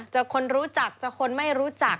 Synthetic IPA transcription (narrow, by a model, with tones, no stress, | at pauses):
t͡ɕa˨˩kʰo˧nɾuː˦˥t͡ɕa˨˩k̚t͡ɕa˨˩kʰo˧nma˥˩jɾuː˦˥t͡ɕa˨˩k̚